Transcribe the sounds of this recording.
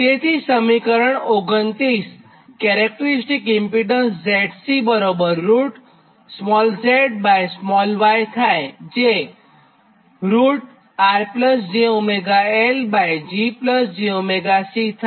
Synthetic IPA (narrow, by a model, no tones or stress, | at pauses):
t̪et̪ʰisəmikəɾəɳoɡənt̪ɾis | kɛɾɛk̚ʈəɾisʈikɪmpiɖənsd͡ʒeʈsibəɾobəɾːuʈ | smɔlseʈ̚bajsmɔlʋajt̪ʰajd͡ʒe | ɾuʈ | aɾpləsd͡ʒiomeɡaelbajd͡ʒipləsd͡ʒiomeɡasit̪ʰa